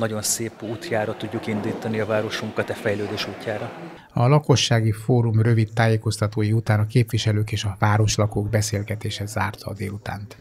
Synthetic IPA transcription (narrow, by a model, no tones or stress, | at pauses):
nɒɟo̞nseːpuːt̪jaːɾɒt̪uɟːukind̪iːt̪ɒniɒvaːɾo̞ʃuŋkɒt̪ɛfɛjløːd̪eːʃuːcːaːɾɒ | ɒlɒko̞ʃːaːɡifoːɾumrø̞vit̪ːaːjeːko̞st̪ɒt̪oːjiut̪aːnɒkeːpviʃɛløːkeːʃɒvaːɾo̞ʃlɒkoːɡbɛseːlɡɛt̪eːʃɛzaːrt̪ɒ̰ːd̪eːlut̪a̰ːnt̪